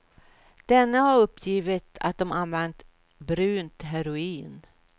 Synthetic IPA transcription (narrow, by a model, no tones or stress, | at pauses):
d̪̥ɛnːəhaɾɵpːjiːvɪt̪a̰t̪̚d̪ɔmanvɛnt̪ | bɾʉ̟ːnt̪ɦɛɾʊiːn